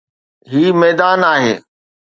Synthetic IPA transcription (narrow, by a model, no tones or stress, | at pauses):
ɦiːmɛːd̪aːnaːɦeː